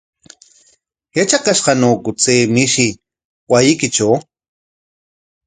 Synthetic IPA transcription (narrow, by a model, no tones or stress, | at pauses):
jat͡ʃakaʃqanoːkʊt͡seːmiʃi | wajikɪt͡ʃoː